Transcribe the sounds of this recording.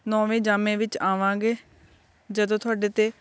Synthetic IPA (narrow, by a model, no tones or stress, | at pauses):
nɔ̃ːʋẽːd͡ʒaːmẽːʋɪt͡ʃaːʋãːɡeː | d͡ʒəd̪õːt̪ʰʊaːɖeːt̪eː